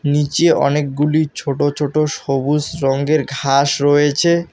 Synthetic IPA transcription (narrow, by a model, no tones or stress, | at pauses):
nit͡ɕeɔ̰nek̚ɡulit͡ɕʰoʈot͡ɕʰoʈoʃobusɾɔŋɡeɾɡʱaʃɾojet͡ɕʰe